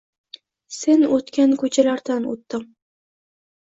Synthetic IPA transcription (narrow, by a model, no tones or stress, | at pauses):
se̞nɵt̪kʲankʰɵt͡ʃʰalaɾd̪ano̰t̪ːɪm